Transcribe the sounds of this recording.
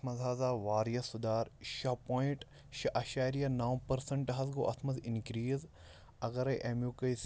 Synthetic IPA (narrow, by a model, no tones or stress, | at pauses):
mɐzɦaːzaːʋaːɾjɐsud̪aːɾʃɐpoːĩʈ | ʃɐʔɐʃaːɾijɐnaːwpɐɾsɐɳʈɦɐzɡoːʔɐt̪mɐzinkɾiːz | ɐɡɐɾɐjʔemjukɐjs